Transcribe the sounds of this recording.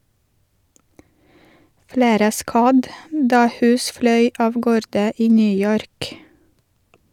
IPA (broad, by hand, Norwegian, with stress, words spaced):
ˈfɽeːɾə ˈskɑd ˈdɑː ˈhʉːs ˈflœʏ ˈɑːʋ ˈɡoːɾdə ˈiː ˈnyː ˈjɔɾk